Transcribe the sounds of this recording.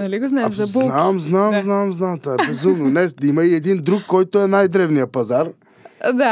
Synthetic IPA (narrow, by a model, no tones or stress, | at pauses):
nɐliɡuznɛzɐbunamznavmznavmznamt̪aɾezumnʊnɛsd̪imɐied̪ĩnd̪ɾuɡkːojt̪ʊɛnajd̪ɾɛvniɐpɐzaɾ | d̪a